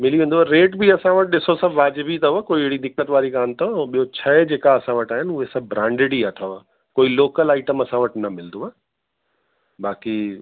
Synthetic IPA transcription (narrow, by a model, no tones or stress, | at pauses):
mɪliʋẽːnd̪oaɾeːʈbʱiɐsãʋəʈ̚ɗɪsosɐbʋaːd͡ʑɪbʱit̪ʰɐʋakoːieɦɽid̪ɪknət̪ʋaːɾikaːnt̪ʰɐɓijot͡ɕʰɐed͡ʑeːkaɐsãʋɐʈaːɦɪnʊɦesɐbʱbɾãːɳɖɪɽiaːt̪ʰɐʋa | koːiloːkəlaːɪʈəmɐsãʋɐʈnɐmɪld̪oaː | baːki